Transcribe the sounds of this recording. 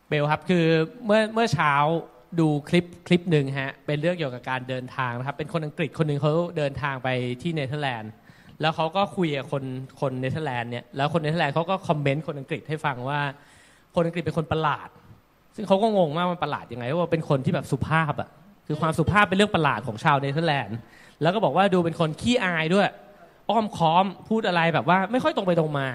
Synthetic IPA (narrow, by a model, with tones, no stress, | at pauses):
be˧wkʰa˦˥p̚kʰɯː˧mɯ˥˩ɐmɯ˥˩ɐt͡ɕʰaː˦˥w | duː˧kʰli˦˥p̚kʰli˦˥p̚nɯ˨˧ŋɦa˦˥ʔpe˧nɾɯ˥˩əŋki˨˩əwka˨˩p̚kaː˧ndɤː˧nt̪ʰaː˧ŋna˦˥kʰpːe˧nkʰo˧nʔa˧ŋkɾi˨˩kʰo˧nːɯ˨˩ŋkʰa˦˥˩dɤː˧nt̪ʰaː˧ŋpa˧jt̪ʰiː˥˩ne˧˥t̪ʰɤː˥˩lɛː˧nlɛː˦˥wkʰa˦˥wkɔː˥˩kʰu˧jʔa˨˩kʰo˧nkʰo˧nːe˧˦˥t̪ːa˧˥˧lɛː˧nːi˦˥˩ɐlɛː˦˥wkʰo˧nːe˦˥t̪ʰːɛː˧nkʰa˦˥wkɔː˥˩kʰɔ˧mːe˦˥nkʰo˧nʔa˧ŋkɾi˨˩t̪̚ha˥˩jfa˧ŋwaː˥˩ | kʰo˧nʔa˧ki˨˩t̪̚pe˧ŋkʰo˧npa˧la̰ː˨˩t̪̚ | sɯ˥˩ŋkʰa˦˥wkɔː˥˩ŋo˧ŋmwaː˥˩k̚wmaː˧˩pa˧la̰ː˨˩t̪̚ja˧ŋa˧jpʰɔ˦˥wa˧˥pe˧nkʰo˧nt̪ʰiː˥˩bɛː˨˩psu˨˩pʰaː˥˩p̚ʔa̰˨˩ʔ | kʰɯː˧kwaː˧msu˨˩pʰaː˥˩pːe˧nɾɯ˥˩əŋpa˧la̰ː˨˩t̪̚kʰɔː˩˦ŋt͡ɕʰaː˧wne˧˥t̪ʰɤ˥˩lɛː˧n | lɛː˦˥wkɔː˥˩bɔː˨˩kwaː˥˩duː˧p̬e˧nkʰo˧nkʰiː˥˩ʔaː˧jdu˥˩əj | ʔɔː˥˩mkʰɔː˦˥mpʰuː˥˩t̪ʔa˧ɾa˧jbɛː˨˩p̚waː˥˩ma˥˩jxɔ˥˩jt̪o˧mpa˧jdo˧ŋmaː˧